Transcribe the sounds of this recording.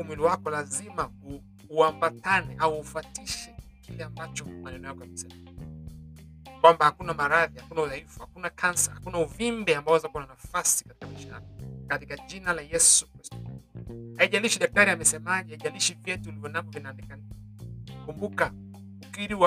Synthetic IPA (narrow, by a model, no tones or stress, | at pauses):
umwiliwakɔlazimauː | ambatanɛʔauːfatiʃɛkilɛambat͡ʃɔmanɛnɔjakɔjamɛsɛma | kwambahakunamaɾaðihakunauθaifu̥hakunakʰansahakunauvimbɛambaɔwazakuananafasikatikamiʃa̰kɔkatikaʄinalajɛsu̥kɾistɔ̥haiʄaliʃiɗak̚taɾiamɛsɛmaʄɛhaiʄaliʃivjɛtuulivjɔnavɔvinaːnɛkana | kumbuka | ukiɾiwa